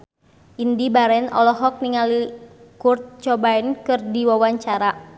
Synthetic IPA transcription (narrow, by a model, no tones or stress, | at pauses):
ʔindibaɾɛnɔ̰lɔɦɔk̚niŋalikurt̪̚t͡ʃɔbaɛnkɨrdiwawaɲt͡ʃaɾa